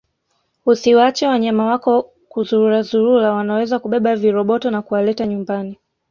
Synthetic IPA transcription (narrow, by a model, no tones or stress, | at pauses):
usiwat͡ʃɛwaɲamawakɔ | kuzuɾuɾazuɾuɾawanawɛzakuɓɛɓaviɾɔɓɔtɔnakuwalɛtaɲumbani